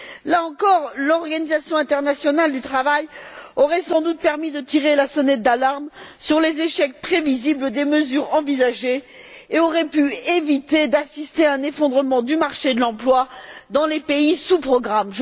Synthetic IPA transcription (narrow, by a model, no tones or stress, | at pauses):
laɑ̃kɔʁlɔʁɡanizasjɔ̃ɛ̃t̪ɛʁnasjɔnald̪yt̪χavajɔʁɛsɑ̃d̪ut̪̚pɛʁmid̪ət̪iʁelasɔnɛt̪̚d̪alaʁmsyʁlezeʃɛk̚pχevizibləd̪eməzyʁɑ̃vizaʒeː | ɔʁɛpyevit̪ed̪asist̪eaɛ̃nefɔ̃d̪ʁəmɑ̃d̪ymaʁʃed̪əlɑ̃plwad̪ɑ̃lepeisupχɔɡʁamʒ